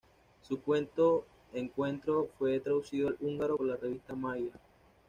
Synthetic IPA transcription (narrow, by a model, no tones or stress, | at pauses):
sukwe̞nt̪o̞ | eŋkwe̞nt̪ɾo̞fwe̞t̪ɾaðusiðoaluŋɡaɾolareβ̞ist̪amaja